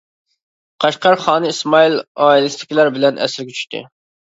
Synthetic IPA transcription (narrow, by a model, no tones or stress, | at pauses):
qʰɑʃqʰɑɾχɑːnɨismɑiloilˠɨst̪ɪ̥kʲʰilæɾbɪlɛnʔɛ̰sɪɾɡʲɛt͡ʃʰy̥ʃt̪ʰɪ̰